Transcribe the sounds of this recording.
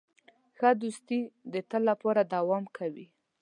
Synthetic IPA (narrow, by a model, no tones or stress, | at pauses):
xad̪ust̪id̪ət̪əlːapɑɾad̪awɑmkʰawi